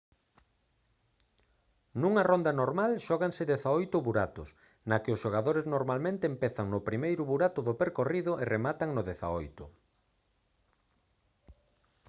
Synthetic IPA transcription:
nuŋɐrond̪ɐnoɾmalʃɔɣaŋsɪðeθaojt̪ʊβuɾat̪ʊs | nɐkɪʊsʃoɣaðoɾeznoɾmalmẽnt̪eːmpɛθaŋnʊpɾimejɾʊβuɾat̪ʊðʊpeɾkoriðʊʔeremat̪ɐŋnʊðeθa̰ojt̪ʊ

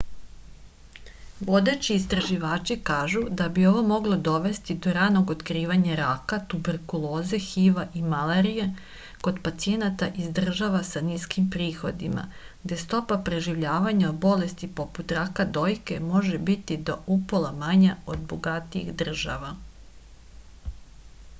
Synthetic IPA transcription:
ʋo̞d̪et͡ɕiːst̪ɾaʒiʋaːt͡ʃikaːʒud̪abio̞ʋo̞mo̞ɡlˠo̞d̪o̞ʋe̞st̪id̪o̞ɾano̞ɡot̪kɾiːʋaɲaɾakat̪ube̞ɾkulˠo̞ːze̞xiʋaʔimaleɾije | ko̞d̪pat̪sijenat̪aʔizd̪r̩ʒaʋasaniskimpɾiːxo̞d̪ima̰ | ɡd̪e̞st̪o̞papɾe̞ʒiʋʎaːʋaɲaobo̞le̞st̪ipo̞put̪ɾakad̪o̞jke̞mo̞ʒebit̪id̪o̞ʔupolˠamaɲaod̪boɡat̪iḭxd̪r̩ʒa̰ʋa

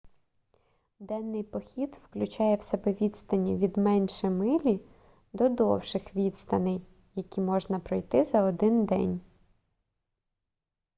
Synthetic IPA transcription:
d̪ɛnːɪjpɔxʲid̪wklʲʊt͡ʃɑjɛwsɛbɛʋʲid̪t̪st̪ɐnʲiʋʲid̪mɛnʲʃɛmɪlʲi | d̪ɔd̪ɔwʃɪxʋʲit̪st̪ɐnɪj | jɐkʲimɔʒnɐpɾɔjt̪ɪzɐɔd̪ɪnd̪ɛ̰nʲ

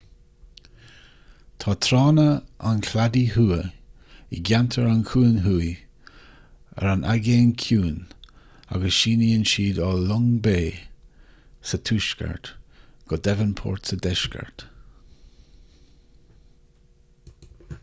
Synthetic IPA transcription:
t̪ʰɑːt̪ʰɾɑːnəankʰladihuːə | ḭɡʲantʰəɹankʰuːnɦuːj | ə̰ɾanʔaɡeːnkʰuːn | a̰ɡəsʃiːniənʃiːdɔlʊŋbeː | sət̪ʰuːʃkə̰ɹt̪ɡ̥ɔdɛvənpʰɔ̰ːɹt̪sədɛʃkʰə̰ɹt

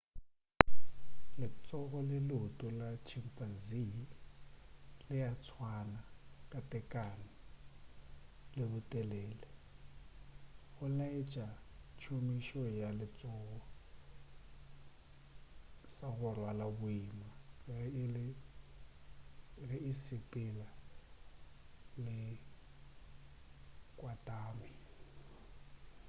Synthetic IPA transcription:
lɪt͡sʼɔɣɔlɪlʊtʼʊlat͡ʃʰimpʼazi | lɪjat͡sʰwanakʼatʼɛkʼanɪ | lɪbʊtʼɛlɛːlɛ | ɣʊnaɪt͡ʃʼat͡ʃʰumiʃɔjalɪt͡sʼɔːɣɔ | saɣʊrwalabʊimaɣɪɪlɪ | ɣɪɪsɪpʼɪla | lɪ | kʼwatʼaːmɪ

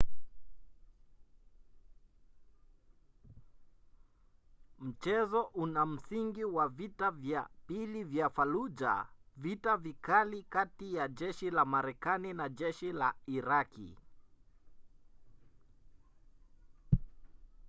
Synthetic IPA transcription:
m̩t͡ʃɛzɔʔunam̩siŋɡiwavitavjapilivjafalud͡ʒa̰vitavikalikatijad͡ʒɛʃilamaɾɛkaninad͡ʒɛʃilaiɾakḭ

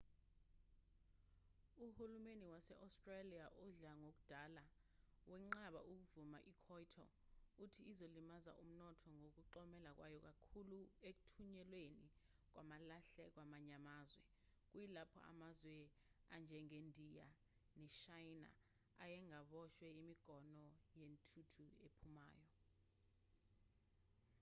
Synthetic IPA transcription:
uhulumeniwasɛʔawstʼralijaʔuɮaŋok̬ud̥ʱala | wʔɛŋ͡ǃaɓa̰ʔuk̬uvuma̰ʔikʰɔjtʰɔ̰utʰiizolimaza̰ʔum̩nɔtʰɔŋok̬uǃɔmɛlak̬wajɔk̬akʰuluek̬u̥tʰuɲɛlweni | k̬wamalaɬɛk̬wamaɲamaːzwɛ̰ | k̬ujilapʰɔ̰ʔa̰mazwɛ | and͡ʒʱɛŋendʱija̰ | nɛʃajna̰ | ajɛŋaɓɔʃwɛimiɡ̥ʱɔnɔjentʰutʰuepʰuma̰ːjɔ

